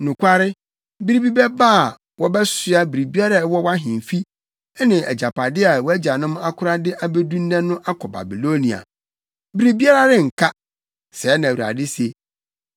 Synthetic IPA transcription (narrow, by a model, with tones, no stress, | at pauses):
nʊ̃˨kʷa˦ɾɪ˦ | bi˦ɾi˦bi˦bɛ˦ba˦˨ | wɔ˦bɛ˦sʊ˨a˦bi˨ɾi˨bi˦a˦ɾa˨˦wɔ˦wa˦ɦɪ̃˨m˨fi˦ | ɛ˦nɪ̃˨ʔɛ̰˨d͡ʑa˨pʰa˨dɪ˦a˨wɔ˦æ˦d͡ʑa˨nʊ̃˦m˦a˦kʰʊ˦ɾa˦dɪ˦ʔa˨be˦dũ˦n˦dɛ̃˦nːʊ̃˦ʔa˦kʰɔ˨ba̰˨bi˨lo˦nĩ˨a̰˨ | bi˦ɾi˦bi˦a˦ɾa˨dɪ̃˦ŋ̩˨kʰa˦ | sɛ˨˦nã˨wu˨ɾa̰˨dɪ˦se˨